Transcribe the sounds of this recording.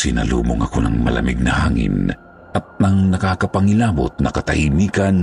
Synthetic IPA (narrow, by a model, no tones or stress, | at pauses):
sɪnɐluːboŋɐkonɐŋmɐlɐ̰miɡ̚nɐhaːŋɪ̰n | ʔɐt̪̚nɐŋnɐkaːkɐpɐŋilaːbot̪̚nɐkɐt̪ɐhimiːkɐn